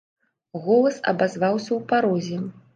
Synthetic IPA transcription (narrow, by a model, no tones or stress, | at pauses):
ɣɔlˠɐsɐ̰bazvawsʲɐwpaɾɔzʲɛ